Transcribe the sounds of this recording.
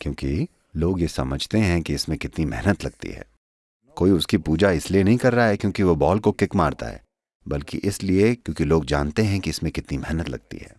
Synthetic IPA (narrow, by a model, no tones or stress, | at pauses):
kjõːki | loːɡjesɐməd͡ʒʱt̪eɦɛ̃kiɪsmẽkɪt̪nimɛɦnət̪lɐɡ̚t̪ḭɦɛ̰ː | koːiʊskipuːd͡ʒaɪslienɐɦĩkɐɾːaɦaɦɛkjõːkiʋobɔːlkokɪkmaːɾt̪a̰ɦɛ̰ː | bɐlkḭʔɪsliekjõːkiloːɡd͡ʒa̰ːnt̪eɦɛ̃kiɪsmẽkɪt̪nimɛɦnət̪lɐ̰ɡ̚t̪ḭɦɛ̰ː